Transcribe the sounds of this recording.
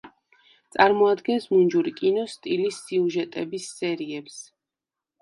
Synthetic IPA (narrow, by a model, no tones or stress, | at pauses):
t̪sʼaɾmɔad̪ɡɛnsmund͡ʒuɾikʼinɔst̪ʼilisːiuʒɛt̪ʼɛbisːɛɾiɛps